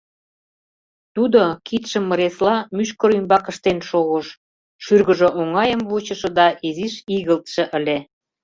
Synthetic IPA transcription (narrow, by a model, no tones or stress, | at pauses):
t̪ud̪okit̪ʃə̆mːəɾeslɑmyʃkə̆ɾymbɑkə̆ʃt̪enʃoɣəʃ | ʃyrɣə̆ʒə̆ʔoŋɑjəmβut͡ɕə̆ʃɤ̆d̪ɑʔiziʃiɣəlt̪ʃĕʔəlʲe